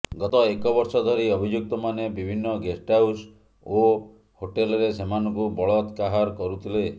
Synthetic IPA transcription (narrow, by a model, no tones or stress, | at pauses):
ɡɔt̪ɔekɔbɔɾsɔd̪ʱɔɾiɔbʱid͡ʒuk̚t̪ɔmanebibʱinːɔɡesʈaws | o | hoʈelɔɾesemanɔŋkubɔɭɔt̪kaɦaɾkɔɾut̪ʰile